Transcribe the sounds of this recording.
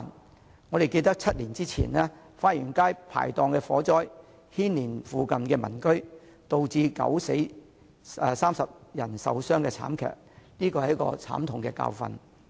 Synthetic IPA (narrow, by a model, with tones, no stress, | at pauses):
n | ŋɔː˨˧ɾe˨jke˧jt̪ɐ˥k̚t͡sʰɐ˥t̚liː˨˩nt͡siː˥t͡sʰḭː˨˩nɛː˥ | faː˧t̚jyː˨˩nkaː˥jpʰa̰ː˨˩jt̪ɔː˧ŋkɛː˧fɔː˨˥t͡sɔː˥j | hiː˥nliː˨˩nfuː˨˧kɐ˨mkɛː˧mɐ̰˨˩nkɵ˥ɥ | t̪o˨wt͡siː˧kɐ̰˨˥wse˨˥j | ɛ˨˧saː˥msɐ˨p̚jɐ˨˩nsɐ̰˨wsœː˥ŋkɛː˧t͡sʰa̰ː˨˥mkʰœ̰ː˨k̚niː˥kɔː˧ɐ˨jɐ˥kɔ̰ː˧t͡sʰa̰ː˨˥mt̪ʰʊ˨ŋkɛː˧ka̰ː˧wfɐ̰˧n